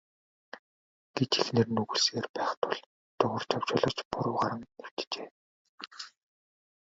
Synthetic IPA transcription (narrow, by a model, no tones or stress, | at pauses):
ɡ̥et͡ɕixnĕrnɵɣŭɮseːrpæːχt̪ʰʊɮ | t̪ʊʁə̆r̥t͡ɕʰaw̥t͡ɕʊːɮɞ̆t͡ɕpʊɾʊːɢaɾə̆ŋew̥ʲt̪t͡ɕeː